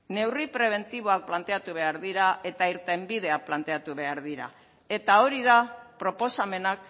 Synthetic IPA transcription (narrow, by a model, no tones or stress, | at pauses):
ne̞wripɾe̞β̞e̞nt̪iβ̞o̞ak̚plant̪e̞at̪uβ̞e̞aɾðiɾae̞t̪aiɾt̪e̞mbið̞e̞ak̚plant̪e̞at̪uβe̞aɾðiɾa̰ | e̞t̪ao̞ɾiðapɾo̞po̞same̞nak